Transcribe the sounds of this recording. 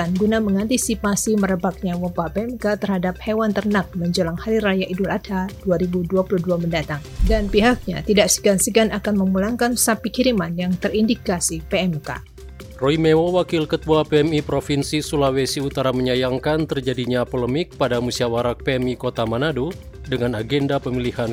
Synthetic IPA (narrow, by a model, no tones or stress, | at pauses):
anɡunaməŋant̪isipasiməɾəbak̚ɲawəpapeɛmkat̪ərhadap̚hewant̪ərnak̚məɲd͡ʒolaŋhaɾiɾajaʔiduladʰad̥uaɾibuduapuluduaməndat̪aŋdanpiɦak̚ɲa̰t̪idaʔsə̥ɡansəɡanakanməmulaŋkansapikiɾimanjaŋt̪ərindikasipeɛmka̰ | roimewowakɪlkət̪uapeɛmipɾofinsisulawesiut̪aɾaməɲajaŋkant̪ərd͡ʒadiɲapoləmɪk̚padamusiawaɾak̚peɛmikot̪amanadu | dəŋanaɡɛndapəmilihan